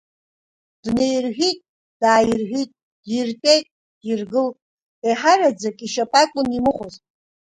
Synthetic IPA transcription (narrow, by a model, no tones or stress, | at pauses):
d̥nejrħʷᶣitʼ | d̥aːjɪrʒʷᶣitʼ | djirpʼejtʼ | dirɡɨl | eħarad͡zakʼiʃapʼakʷʼʊnimɨχʷʊztʼ